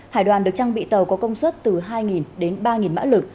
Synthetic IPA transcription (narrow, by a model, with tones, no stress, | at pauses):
haː˧˩jɗwaː˨˩nɗɨ˨˩ək̚t͡ɕa˧ŋɓḭ˧˨t̪ə˨˩wkɔ˨˦kə˧wŋ͡mswə˦˥t̚t̪ɨ˨˩ɦaː˧jŋi˨˩nɗe˨˦nɓaː˧ŋi˨˩nma̰ː˧˥lɨ˨˩k̚